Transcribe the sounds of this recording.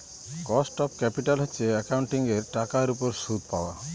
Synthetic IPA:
kɔsʈɔpkɛpiʈalɦɔːt͡ʃʰeakawɳʈiŋɡeɾʈakaɾupɔɾsud̪̚ʱpawa̰

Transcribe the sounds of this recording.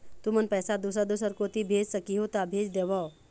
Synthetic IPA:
t̪umənpɛːsad̪us̬əɾd̪usəɾkot̪ibʱeːd͡ʒsəkiɦot̪abʱeːd͡ʒd̪eːʋao

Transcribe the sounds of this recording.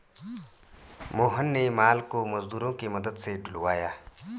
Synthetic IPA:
moːɦənːemaːlkomɐzd̪uːɾõkemɐd̪əd̪seɖʱʊlwaːjaː

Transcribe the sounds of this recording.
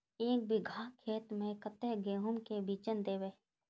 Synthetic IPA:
eːk̚bɪɡʱaːkʰeːt̪mẽkət̪eɦɡeːɦʊmkebiːt͡ʃənd̪eːʋeː

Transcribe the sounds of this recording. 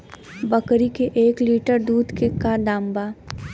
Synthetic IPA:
bəkɾikeʔeːkliːʈəɾd̪uːd̪kekad̪aːmbaː

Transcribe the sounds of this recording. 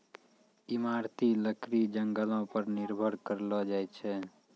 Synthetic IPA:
imaɾt̪iləkɾid͡ʒəŋɡəlɔ̃pəɾniɾbʱəɾkəɾlɔd͡ʒajt͡ʃʰɛ

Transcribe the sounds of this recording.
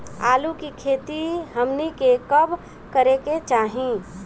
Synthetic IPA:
a̰ːlukikʰeːt̪iɦɐmnikekəb | kəɾeket͡ʃaːɦĩ

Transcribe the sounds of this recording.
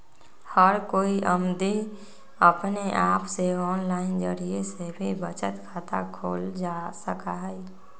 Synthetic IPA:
həɾkoːiʔəmd̪i | əpneʔaːpseɔːnlaːɪnd͡ʒəɾiesebʱibət͡ʃət̪kʰaːt̪a̰kʰoːld͡ʒaːsəkaɦɛɛ

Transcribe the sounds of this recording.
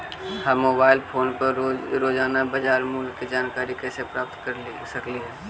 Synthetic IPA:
haːmoːbaːɪlpʰoːnpɐɾɾoːd͡ʒaːnabəd͡ʒaːɾmuːlkːid͡ʒaːnkaːɾikɛsepɾaːp̚t̪kɐɾlisɐkliɦɛː

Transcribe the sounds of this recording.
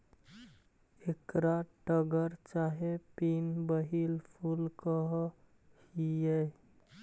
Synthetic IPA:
ekɾaʈəɡəɾt͡ʃaɦepinbəɦilpʰulkəɦ | hije

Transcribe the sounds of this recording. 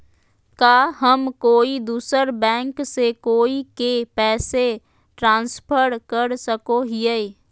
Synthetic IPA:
kaːɦəmkoːid̪uːsəɾbɛ̃ːŋksekoːikepɛːse | ʈɾãːnspʰəɾkəɾsəkoɦɪe

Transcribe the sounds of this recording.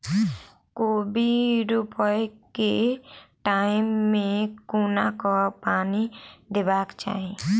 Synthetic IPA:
kobiɾupɔjkeʈaɪmːẽkonakɔpanid̪ebakt͡ʃa̰ːɦẽ

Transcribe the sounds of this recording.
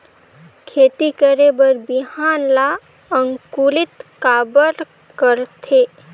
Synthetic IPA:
kʰeːt̪ikəɾebəɾbɪɦaːnla | ə̃ŋkulɪt̪kaːbəɾ | kəɾt̪ʰeː

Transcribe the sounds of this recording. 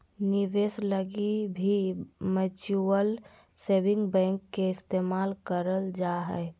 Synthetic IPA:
niʋesləɡibʱimət͡ʃuəl | sebɪ̃ŋɡbɛ̃ŋkːeɪst̪emalkəɾəld͡ʒaɦɛ̰

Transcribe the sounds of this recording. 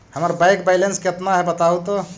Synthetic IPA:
həməɾbajkbajlenskeət̪naɦɛbət̪aut̪o

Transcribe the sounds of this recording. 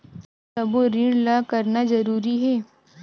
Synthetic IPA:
sɐboɾɪɳlaːkɐɾnazɐɾuːɾiɦɛː

